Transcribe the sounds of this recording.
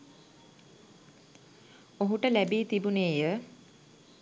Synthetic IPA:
oɦuʈəlæbiːt̪ibuneːjə

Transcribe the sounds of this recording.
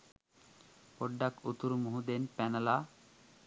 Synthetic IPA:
poɖːakut̪uɾmuɦud̪enpɛnala

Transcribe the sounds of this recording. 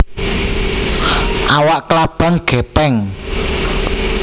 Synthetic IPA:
ʔawaʔklab̥a̤ŋɡ̥ɛ̤pɛŋ

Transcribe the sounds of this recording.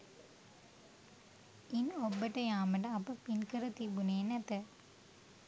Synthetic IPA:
inɔbːɐʈːɐjaːmɐʈɐ̃ːpːɐpinkɐɾɐt̪ibuneːnɐt̪ːɐ

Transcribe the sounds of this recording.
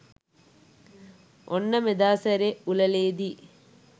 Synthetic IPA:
ʔonːɐmed̪aːsɐɾeulɐleːd̪i

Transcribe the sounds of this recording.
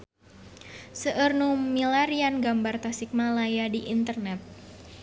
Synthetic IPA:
səʔərnumilaɾianɡambart̪asɪk̚malajadiʔint̪ərnɛt̪̚

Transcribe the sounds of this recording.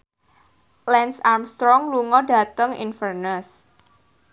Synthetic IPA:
lɛnsarmst̪ɾɔŋluŋɔda̤t̪əŋḭnfərnəs

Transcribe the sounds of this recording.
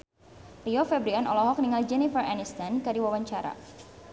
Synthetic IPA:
liɔfɛbɾianɔ̰lɔɦɔk̚niŋald͡ʒɛnifəranist̪ankadiwawaɲt͡ʃaɾa̰

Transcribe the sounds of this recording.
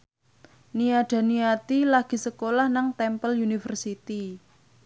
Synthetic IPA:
niaɖ̥a̤niat̪ilaɡ̥i̤səkolahnaŋt̪ɛmpəlunifərsit̪i

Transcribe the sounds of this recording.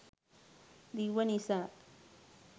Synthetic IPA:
d̪iwanisaː

